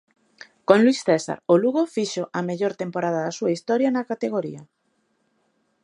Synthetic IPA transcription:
kõŋlwisθesa̰ɾoluɣofiʃoʔɐmeʎoɾt̪empoɾaðɐðɐsuaist̪ɔɾjɐnɐkat̪eɣ̞oɾḭɐ

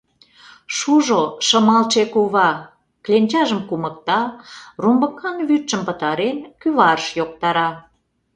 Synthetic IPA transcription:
ʃuʒoʃəmɑlt͡ʃekuβɑ | klʲenʲt͡ɕɑʒəmkumək̚t̪ɑrumbəkːɑnβyt̪ʃəmpət̪ɑɾenkyβɑrəʃjok̚t̪ɑɾɑ

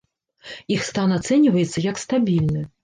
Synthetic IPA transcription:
ixst̪anat̪sɛnʲivɐjɛt̪sːɐjɐkst̪abʲilʲnɨ

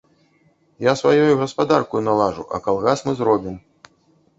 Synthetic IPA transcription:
jasvajɔjuɣɐspad̪arkujunalˠaʐuʔɐ̰kalˠɣasmɨzɾɔbʲim

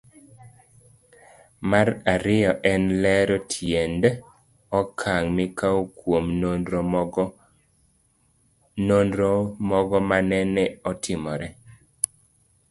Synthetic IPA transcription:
maɾaɾɪjɔʔɛnlɛɾɔtʰjend | ɔkʰaŋmikawukwomno | nonɾomɔɡɔmanɛnɛɔtʰɪmɔɾɛ

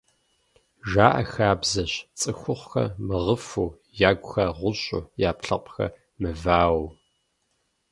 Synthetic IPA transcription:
ʒaːʔɐ̰xaːbzɐɕt͡sʼɨxʷʊχʷxɐ̰mɨʁəfuː | jaːɡʷxɐʁʷʊɕʼʊ̰jaːpɬɐqʷʼxɐ̰ | mɨvaːww

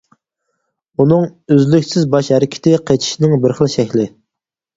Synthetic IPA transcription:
unɨŋøzlykʲsɪzbɑʃhɛɾɪkʲʰɪ̥t̪ʰɪqʰet͡ʃʰi̥ʃnɪŋbɪɾχəlˠʃɛkʲlɪ

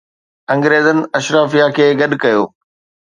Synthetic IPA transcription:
ɐ̃ŋɡɾeːzənɪ̆ɐʃɾaːfijakʰeːɡɐɗkɐjoː

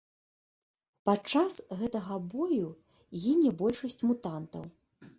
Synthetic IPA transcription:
pat͡ʂasɣɛt̪ɐɣɐbɔju | jɛnʲɛbɔlʲʂɐsʲt͡sʲmut̪ant̪ɐ̰w

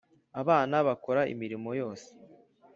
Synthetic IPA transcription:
aβaːnaβako̞ɾaʔḭmiɾimo̞jo̞ːse̥

